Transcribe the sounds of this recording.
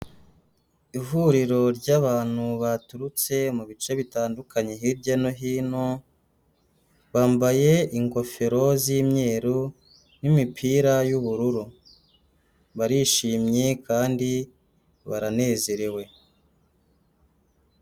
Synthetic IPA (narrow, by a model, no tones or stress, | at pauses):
ivuɾiɾo̞ɾɟaβaːn̥huβatuɾut͡se̞muβit͡ʃeβitaːndukaɲe̞ɦiɾɟano̞ɦiːno̞ | βaːmbaje̞iŋko̞fe̞ɾo̞ziːmɲe̞ːɾu | nimipʰiːɾajuβuɾuɾu | βaɾiʃiːmɲe̞kaːndi | βaɾane̞ːze̞ɾewe̞